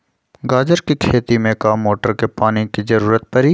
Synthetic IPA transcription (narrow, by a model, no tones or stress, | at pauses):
ɡaːd͡ʒəɾkikʰeːt̪imẽkaːmːoːʈəɾkepaːnikizɐɾuːɾət̪̚pɐɾi